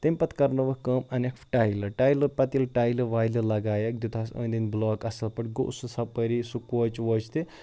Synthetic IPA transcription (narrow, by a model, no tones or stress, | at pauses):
t̪ɐmʲpɐt̪kɐɾnɐʋɐkɐmɐnɐkfʈajlɐʈaːjlɐpɐt̪ilʈaːjlɐʋaːjlilɐɡaːjɐk̚d̪ut̪ʰasɐ̰̃ːnd̪inblɔːkɐsɐlpɐʈɡo̰ʔsɨsɐpɐɾisukwoːt͡ʃʋɐːt͡ʃʰt̪i